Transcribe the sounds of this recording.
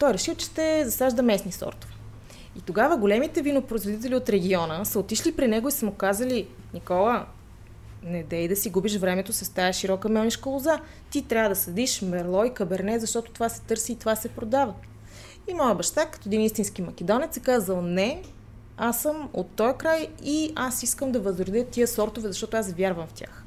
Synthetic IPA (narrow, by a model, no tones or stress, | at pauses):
t̪ɔjɾɛʃilˠt͡ʃɛ̥ʃt̪ɛzɐsaʒd̪ɐmɛsnisɔ̰ɾt̪o̥vɛ | it̪oɡavəɡolɛmit̪ɛvinopɾoizvod̪it̪ɛlʲiot̪ɾɛɡʲiɔnəsəot̪iʃlipɾinɛɡoisəmʊkazəli | nikɔlˠə | nɛd̪ɛid̪ɐsiɡubiʃvɾɛmɛt̪osɐst̪ajɐʃiɾɔkəmɛlˠniʃkəlˠoza | t̪it̪ɾʲavəd̪ɐsɐd̪iʃmɛɾlˠɔikɐbɛɾnɛt̪zɐʃt̪ɔt̪ʊ̥t̪ovasɛ̥t̪ɤɾsiːt̪ovasɛpɾod̪avə | imɔjəbɐʃt̪akɐ̥t̪ɔɛd̪inist̪inskimɐkɛd̪ɔnɛt̪sɛkazəlˠnɛ | asəmot̪ːɔjkɾajiasiskəmd̪ɐvɐzɾod̪ət̪iəsɔɾt̪ovɛzɐʃt̪ɔt̪oasvʲjaɾvəmft̪ʲa̰x